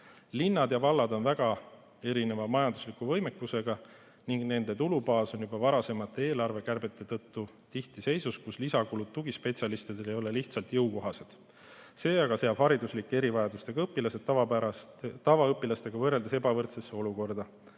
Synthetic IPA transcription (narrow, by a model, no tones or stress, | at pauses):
linːɑd̪jɑvɑlːɑd̪o̞nvæɡ̥ɑ | e̞ɾine̞vɑmɑjɑnd̪u̥slikːuvɤ̞jme̞kːuse̞ɡ̥ɑ | niŋɡne̞nd̪̥e̞t̪ulubɑːso̞njubɑvɑɾɑse̞mɑt̪ːˑee̞ːlɑrve̞kærbe̞t̪ːˑe̞t̪ɤt̪ːu | t̪iht̪ise̞jsuskuslisɑkulut̪t̪ːuɡispe̞t̪sʲjɑlist̪id̪e̞lejo̞le̞liht̪sɑlt̪jɤwko̞ɦɑse̞d̪̥ | se̞ːɑɡ̥ɑse̞jɑb̥hɑɾid̪uslikːˑee̞ɾivɑjɑd̪ust̪e̞ɡɑɤpːˑilɑse̞d̪̥ːɑvɑæɑt̪ɑvɑɤpːˑilɑst̪e̞ɡ̥ɑvɤrːe̞ld̪ese̞bɑvɤrt̪se̞sːeo̞luko̞rd̪ɑ